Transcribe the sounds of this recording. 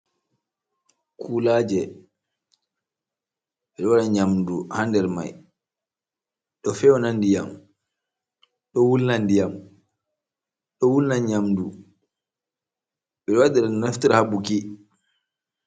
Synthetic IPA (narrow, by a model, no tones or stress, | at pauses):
kʰuːlaːd͡ʒɛ | ɓɛɗɔwaɾaɲamduhandɛɾma̰j | ɗɔfɛwɔnandija̰m | ɗɔwulnandijam | ɗɔwulnaɲamdu | ɓɛɗɔwadɛɾanaftiɾhabuki